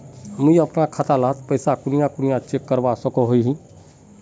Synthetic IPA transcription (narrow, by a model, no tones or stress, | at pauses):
miiəpnakʰat̪alat̪pəɪsakʊnijakʊnijãt͡ʃekːəɾbasəkoɦoiɦĩ